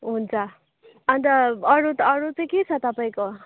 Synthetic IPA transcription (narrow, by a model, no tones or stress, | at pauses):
ɦunt͡sʰʌ | ʌnt̪ʌʌɾut̪ʌɾut͡sʌĩket͡sʰʌt̪ʌpaĩko